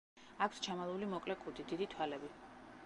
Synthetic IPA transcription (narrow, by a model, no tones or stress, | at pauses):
akʰst͡ʃʰamalˠulimɔkʼlɛkʼud̪id̪id̪it̪ʰwalɛbi